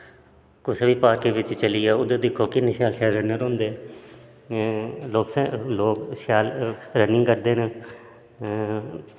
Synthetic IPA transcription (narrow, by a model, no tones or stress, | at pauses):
kʊsəbiːpaːɾkeːʋɪt͡ʃt͡ʃəliːaːʊd̪ẽːd̪ɪkʰːoːkɪnːẽːʃjaːlʃaːlɾənːəɾõːnd̪eː | loːksloːkʃjaːlɾənːɪ̃ŋɡkəɾd̪eːn